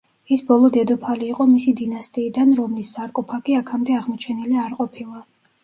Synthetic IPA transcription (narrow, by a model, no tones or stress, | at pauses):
isbɔlˠɔd̪ɛd̪ɔpʰaliːqʼɔmisid̪inast̪ʼiːd̪anɾɔmlisːaɾkʼɔpʰakiakʰamd̪ɛaʁmɔt͡ʃʰɛniliaɾqʼɔpʰilˠa